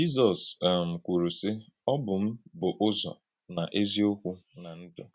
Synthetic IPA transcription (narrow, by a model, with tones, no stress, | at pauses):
d͡ʒi˦zɔ˨sm̩˨kʷu˨ɾu˨sɪ˦ | ɔ˦bʊ˨m̩˦bʊ˨ʔʊ˦zɔ̰˨ | na˨ʔe˦zi˦o˦kʷu˦na˨n̩˦dʊ˨